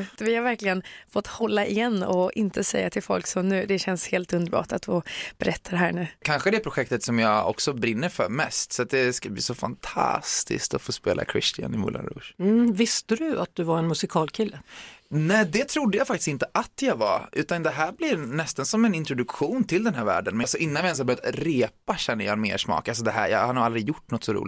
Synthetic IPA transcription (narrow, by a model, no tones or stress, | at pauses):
vɪhaɾvæɾklɪɡənfɔt̪ːhɔlːaʔɪjɛnːɔʔɪnt̪ʰəsɛjːat̪ʰɪlfɔlksɔmnʉ̟ːd̪ɛɕɛnsheːlt̪ɵnd̪əɾbɑ̰ːʈat̪fɪb̥ɛɾɛt̪ʰːad̪ɛɦæːɳʉ̟ːkʰanɧəd̪ɛpʰɾʊɧɛk̚t̪ət̪sɔmjɑːɔ̰ksɔbɾɪnːəɾfœɾmɛst̪sɔat̪̚d̪ɛskablḭːsɔfa̰nt̪ʰa̰st̪ɪ̰skt̪ɔfoːspḛːlʔa̰kʰɾɪ̰st̪ɪa̰nɪmʊ̰la̰ɾṵʂm̩vɪst̪əd̪ɵa̰t̪̚d̪ɵvaɾɛnmɵsɪkʰɑːlkʰɪlːənɛɪd̪ɛt̪ʰɾʊd̪ːəjaːfakt̪ɪ̥st̪ɪnt̪əʔat̪jɑɡva̰ʔʉ̟ːt̪and̪ɛɦæːɾblɪɾnɛst̪ansɔmɛnɪnt̪ɾʊd̪ɵkɧuːnt̪ʰɪld̪ɛnɦæːɾvæ̰ːɖənmɛlsɔʔɪnːanvɪɛnshaɾbœɾjat̪ɾeːpaɕɛnːəɾjɑːɛnmḛːʂmɑ̰ːkals̬ɔd̪ɛɦæ̰ːɾjɑ̰ːhaɾhaɾald̪ɾɪɡjʊʈːnɔt̪ːsɔɾṵːlɪ